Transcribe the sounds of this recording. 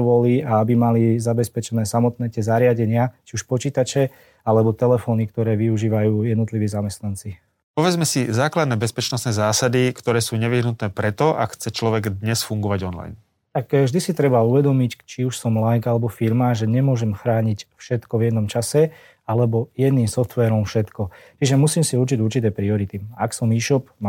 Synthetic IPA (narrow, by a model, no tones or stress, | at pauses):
ʋɔliaabimalizabɛspɛt͡ʃɛnɛːsamɔt̪nɛːcɛzaɾɪaɟɛɲɪat͡ʃiuʃpɔt͡ʃiːt̪at͡ʃɛ | alɛbɔt̪ɛlɛfɔːnikt̪ɔɾɛːʋiuʒiːʋajuːjɛd̪nɔt̪liʋiːzamɛst̪nant͡si | pɔʋɛd͡zmɛsizaːklad̪nɛːbɛspɛt͡ʃnɔst̪nɛːzaːsad̪ikt̪ɔɾɛːsuːɲɛʋiɦnut̪nɛːpɾɛt̪ɔʔa̰kxt͡sɛt͡ʃlɔʋɛɡd̪ɲɛsfuŋɡɔʋaɟɔnla̰jn | t̪akvʒd̪isit̪ɾɛbauʋɛd̪ɔmict͡ʃiuʃsɔmlajɡalɛbɔfiɾmaʒɛɲɛmʊɔʒɛmxɾaːɲicfʃɛt̪kɔʋjɛd̪nɔmt͡ʃasɛ | alɛbɔjɛd̪niːmsɔft̪ʋɛːɾɔmfʃɛt̪kɔt͡ʃiʒɛmusiːmsiuɾt͡ʃiɟuɾt͡ʃit̪̬ɛːpɾiɔɾit̪iaksɔmiːʃɔpma